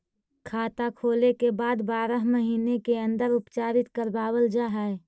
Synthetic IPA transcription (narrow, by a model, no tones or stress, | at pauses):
kʰaːt̪akʰoːlekebaːd̪baːɾəɦməɦiːnekeə̃nd̪əɾʊpt͡ʃaːɾɪt̪kəɾbaːwəld͡ʒaɦɛ